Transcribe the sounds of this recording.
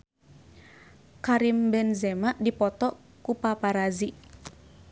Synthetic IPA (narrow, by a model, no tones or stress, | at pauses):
kaɾimbɛnzɛmaʔdipɔt̪ɔ | kupapaɾazi